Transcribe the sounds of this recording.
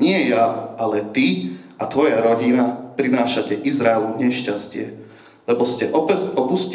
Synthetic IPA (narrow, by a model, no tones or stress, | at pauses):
ɲɪɛjaalɛt̪iat̪ʋɔjaɾɔɟinapɾinaːʃacɛʔizɾaɛluɲɛʃcascɪɛ | lɛbɔscɛʔɔpɔpusc